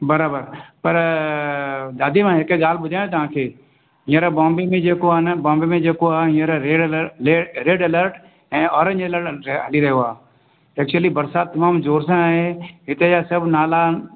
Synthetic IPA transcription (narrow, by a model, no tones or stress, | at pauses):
bɐɾaːbəɾpɐɾ | d̪aːd̪imãɦɪkəɡaːl̤bʊdʱaːj̃õt̪̬ɐʋ̤ãːkʰeː | ɦĩːəɾabɔ̃ːmbemẽd͡ʑeːkoaɦnbɔ̃ːmbemẽd͡ʑeːkoaːɦĩːəɾaɾeːɖəleːɾeːɖɐləɾʈ | ɛ̃ːɔːɾə̃ɲeləɾɦɐliɾɐɦijoaː | ɛːk̚t͡ɕuəlibɐɾsaːt̪ːɐmaːmzoːɾsãaːɦeɦɪt̪ejasɐbʱnaːla